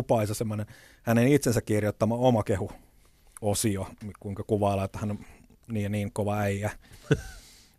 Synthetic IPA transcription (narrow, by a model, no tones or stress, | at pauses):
upɑisɑsemːonen | hænenit̪sensækkirjot̪ːɑmɑomɑkehu | osiokuiŋkɑkuʋɑːlɑt̪ːɑ̥hɑno | niːoniːŋkoʋɑæiæ